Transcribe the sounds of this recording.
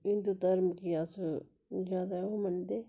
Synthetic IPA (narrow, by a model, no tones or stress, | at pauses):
ɪnd̪ud̪ɐɾmkijas | d͡ʒaːd̪aomənd̪eː